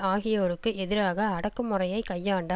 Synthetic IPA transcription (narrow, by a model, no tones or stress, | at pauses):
aːɣɪjɐoɾɯkːɯɛðɪɾaːɣɐːɽɐkːɯmːʊrɐjɐɪkɐjːaːɳɖa